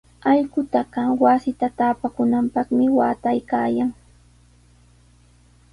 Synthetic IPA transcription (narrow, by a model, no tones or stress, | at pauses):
ɑʎɢʊt̪aɢɑwasɪt̪at̪aːpakʊnampɑχmɪwaːt̪ajkaːjaŋ